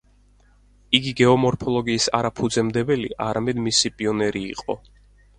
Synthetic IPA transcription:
iɡiɡɛɔmɔɾpʰɔlˠɔɡiːsa̰ɾapʰud̪zɛmd̪ɛbɛlḭʔaɾamɛd̪misipʼiɔnɛɾḭːqʼɔ̰

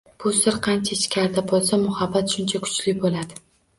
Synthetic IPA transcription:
b̥ʊsɪɾqʰɑnt͡ʃʰaɪt͡ʃkʲʰaɾd̪abɒlˠsamʊhabːat̪ʃʊnt͡ʃʰakʰʊ̥t͡ʃʰlɪbolad̪ɪ

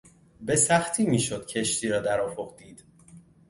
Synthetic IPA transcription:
be̞sæxt̪ʰiːmiːʃod̪̥̚cʰe̞ʃt̪ʰiːɾɒːd̪æɾɒːfoχd̪iːd̪̥

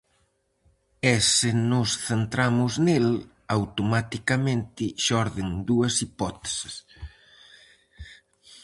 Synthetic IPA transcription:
esɪnʊsθent̪ɾamʊznel | awt̪omat̪ikamẽnt̪ɪʃɔɾðɪŋd̪uɐsipɔt̪e̥sɪ̥s

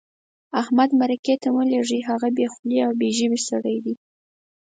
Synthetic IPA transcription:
ahmad̪maɾaket̪awəleʐiɦaɣabexʊliawbeʒəbisaɽajd̪i

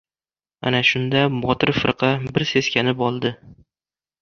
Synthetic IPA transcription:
a̰naʃʊnd̪abɒt̪ʰɪɾfɪɾqʰɑbɪɾse̞skʲanɪpɒlˠd̪ɪ

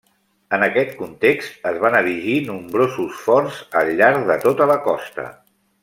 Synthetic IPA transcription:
ənəkɛt̪kunt̪ekst̪əzβanəɾiʒinumbɾozusfɔrzəʎːaɾðət̪ot̪ələkɔst̪ə̰

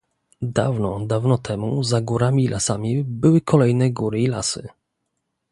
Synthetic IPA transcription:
d̪a̰vnɔd̪avnɔt̪ʰɛmuzaɡuɾamʲilʔasamʲibɘwɘkʰɔlɛjnɛɡuɾɘila̰sɘ̰

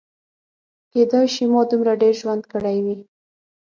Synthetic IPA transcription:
ked̪ɑjʃimɑd̪umɾaɖeɾʒwand̪kəɽajwi

